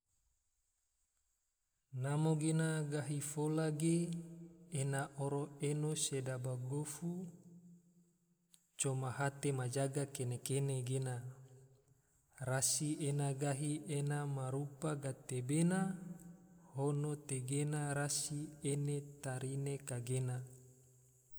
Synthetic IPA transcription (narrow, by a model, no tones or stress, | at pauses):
namoɡenaɡaɦifolaɡe | enaʔoɾoenosedabaɡofu | t͡ʃomaɦat̪emad͡ʒaɡakenekeneɡena | rasienaɡaɦienamaɾupaɡat̪ebena | honot̪eɡenaɾasienet̪aɾinekaɡena